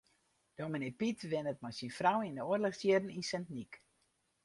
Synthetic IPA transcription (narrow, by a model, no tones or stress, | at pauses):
d̥omənepitʋɪnət̚majsinfrawindəoərləxstjidn̩insɛntnik